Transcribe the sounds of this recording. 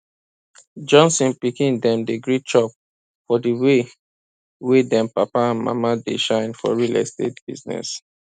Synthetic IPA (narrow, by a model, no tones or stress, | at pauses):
d͡ʒɔ̃nsɔ̃npikĩndɛ̃mdeɡɹit͡ʃɔp̚ | fɔdiwe | wedɛ̃mpapaãnma̰madeʃãɪ̃nfɔ̰ɹilɛ̰stḛtb̥ḭznɛ̰s